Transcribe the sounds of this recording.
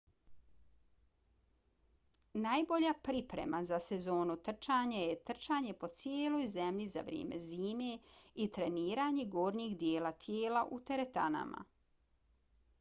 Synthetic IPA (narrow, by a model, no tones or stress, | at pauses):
najbo̞ʎapɾipɾḛmazasezo̞ːnut̪r̩t͡ʃaːɲajet̪r̩t͡ʃaːɲe̞po̞t̪sjeːlo̞ːjze̞mʎiza̰ʋɾʲjḛːmḛziːme̞it̪ɾe̞niːɾaːɲe̞ɡo̞ːɾniːɡd̪jeːlat̪ʰjeːlaʔut̪e̞ɾet̪a̰na̰ma̰